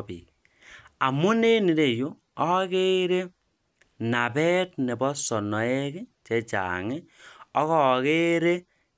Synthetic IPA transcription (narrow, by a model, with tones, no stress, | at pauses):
pḭː˨ | a˨mu˦ne˦ni˨ɾe˦˨jo˦ | ɔ˦ke˦ɾe˦ | na˨bɛ˦tnɛ˨bɔ˦sɔ˨nɔ˨ɛ˦ki˦t͡ʃɛ˦t͡ʃa̰˨ŋɪ˦ɔ˦kɔ˦˨ke˦ɾe˦